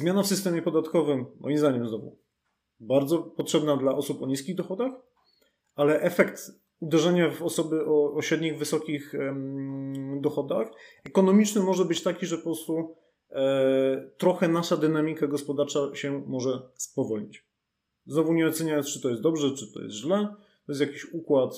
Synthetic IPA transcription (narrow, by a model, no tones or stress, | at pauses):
zmʲjanafsɨst̪ɛmʲjɛpɔd̪at̪kɔvɘmːɔ̰jimzd̪aɲɛmznɔvṵ | baɾd̪zɔpɔtʂɛbnad̪laʔɔsupɔɲiskʲiɣd̪ɔxɔd̪ax | alɛʔɛfɛkt̪ | ud̪ɛʐɛɲavɔsɔbɘʔɔːɕɾɛd̪ɲiɣvɘsɔkʲix | d̪ɔxɔd̪axɛkɔnɔmʲit͡ʂnɘmɔʐɛbɘt͡ɕt̪akʲiʐɛpɔpɾɔst̪u | t̪ɾɔxɛnaʂad̪ɘnamʲikaɡɔspɔd̪aɾt͡ʂaɕɛmɔʐɛspɔvɔlɲit͡ɕ | znɔvuɲɛɔt̪sɛɲajɔnst͡ʂɨ̥t̪ɔjɛsd̪ɔbʐɛt͡ʂɘt̪ɔ̰jɛ̰st̪ʑlɛ | t̪ɔjɛs̬t̪jakʲiɕukwat̪